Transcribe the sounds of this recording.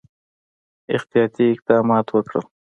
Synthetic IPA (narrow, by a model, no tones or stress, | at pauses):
ɪxt̪ijɑt̪iɪq̚d̪ɑmɑt̪wəkɽə̰l